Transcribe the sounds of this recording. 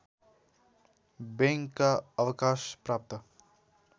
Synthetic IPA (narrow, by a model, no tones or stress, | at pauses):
bẽŋkːaəwkaːʃpɾaːp̚t̪ə